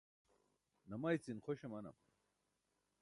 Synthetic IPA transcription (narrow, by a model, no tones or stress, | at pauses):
nɐmɐit͡sinxoɕemɐnɐ̰m